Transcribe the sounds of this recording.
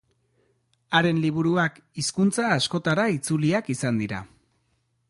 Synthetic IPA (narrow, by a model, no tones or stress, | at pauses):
aɾe̞nliβ̞uɾuak | iskunt͡saːsko̞t̪aɾait͡suliakisand̪iɾa̰